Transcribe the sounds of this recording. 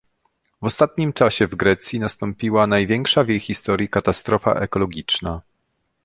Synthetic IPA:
vɔst̪at̪ɲimt͡ʂaɕɛvɡɾɛt̪sʲjinast̪ɔmpʲiwanajvʲjɛŋkʂavʲjejxʲist̪ɔɾjikat̪ast̪ɾɔfa̰ʔɛ̰kɔlɔɡʲit͡ʂna

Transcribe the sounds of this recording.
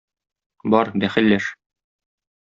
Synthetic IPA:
bɒɾd̪æχɘ̆lːæʃ

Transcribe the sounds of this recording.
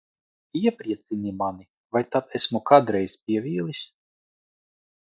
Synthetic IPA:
iɛpɾiɛt̪sinʲimani | vajt̪at̪ɛsmukad̪ɾɛjspʲiɛvʲiːlˠisʲ

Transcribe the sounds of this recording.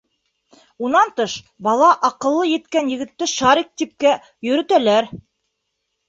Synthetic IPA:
unɑnt̪ɤʃ | bɑlˠɑʔɑqɤ̆lˠːɤjɘ̆t̪kænjɘ̆ɡɘ̆t̪ːɘʃɑɾik̚t̪ip̚kæ | jɵ̆ɾɵ̆t̪ælæɾ

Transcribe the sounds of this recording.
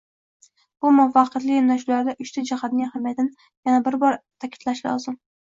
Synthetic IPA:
b̥ʊmʊfɑqʰɨt̪lɪɪmnaʃulaɾd̪aʔʊʃt̪ʰad͡ʒahat̪̚nɪŋhamjat̪ɪn | janabɪɾbɒɾt̪ʰakʲʰɪ̥t̪laʃlɒ̰zɪm

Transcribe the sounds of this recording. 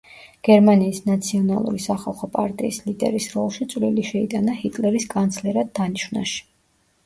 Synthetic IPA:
ɡ̥ɛɾmaniːsnat̪sʰiɔnalˠṵɾisaχalˠχɔpʼaɾt̪ʼiislid̪ɛ̰ɾisɾɔlˠʃit̪sʼvliliʃɛid̪ʼanahit̪ʼlɛɾiskʼant̪sʰlɛɾad̪̚ːaniʃwna̰ʃi̥

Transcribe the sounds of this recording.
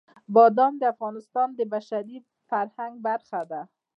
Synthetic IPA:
bɒd̪amd̪ɪafɣɑnɪst̪ɑnd̪ɪbaʃaɾi | faɾhaŋɡ̚baɾxad̪a

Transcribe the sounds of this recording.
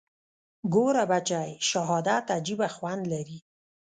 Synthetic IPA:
ɡoɾabat͡ʃajʃaɦɑd̪at̪ad͡ʒibaxwand̪laɾi

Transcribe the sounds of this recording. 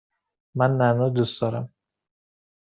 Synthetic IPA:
manːanɔd̪usd̪ɒɾam

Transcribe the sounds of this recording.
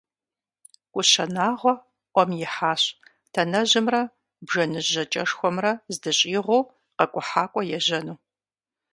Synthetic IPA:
kʷʼʊɕɐnaːʁʷɔ | ʔʷɔmjɪħaːɕ | tʰɐnɐʑɪmrɐ | bʒɐnɨʑɐt͡ʃʼɐʂxʷɔmrɐzdɨɕʼiːʁʷow | qɐkʷʼʊħaːkʷʼɔjɛʑɐnuː

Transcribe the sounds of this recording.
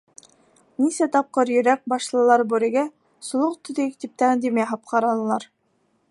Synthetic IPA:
nisæt̪ɑp̚qɤɾjɵ̆ɾæk̚bɑʃlˠɤ̆lˠɑɾbuɾɘ̆ɡæ | sŏlˠoq̚t̪ɵ̆ðɘk̚t̪ip̚t̪æd̪imjæɦɑp̚qʰɑɾɑnɤlˠɑɾ

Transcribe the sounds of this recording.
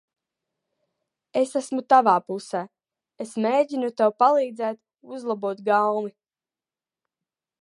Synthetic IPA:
esæsmut̪avaːpusæː | esmeːɟinut̪ewpalˠiːd̪zɛːt̪ | uzlˠabuɔt̪ɡalni

